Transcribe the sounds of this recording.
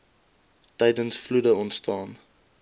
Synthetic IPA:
tɛjdənsfludəɔntstɑːn

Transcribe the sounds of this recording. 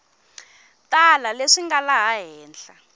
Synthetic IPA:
tʼalaleʂiŋɡalaɦaɦɛːnt͡ɬa

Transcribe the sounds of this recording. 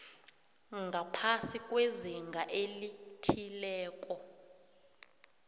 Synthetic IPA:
ŋɡʱapʰasikʼweziŋɡʱaʔelitʰilɛːkʼɔ

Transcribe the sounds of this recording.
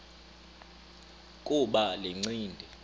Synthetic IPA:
kʼuɓaleŋ͡ǀiːndʱɛ

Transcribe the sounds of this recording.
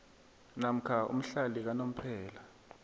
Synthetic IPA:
nam̩kʰaṵm̩ɬalik̬anom̩pʰɛːla

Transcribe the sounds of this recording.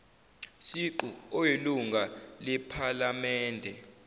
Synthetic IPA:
siǃuɔjeluŋɡʱalɛpʰalamɛːndʱɛ

